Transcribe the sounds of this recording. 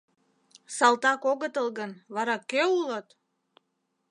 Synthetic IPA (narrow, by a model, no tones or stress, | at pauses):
sɑlˠt̪ɑkoɣət̪əlˠɣənβɑɾɑkøulət̪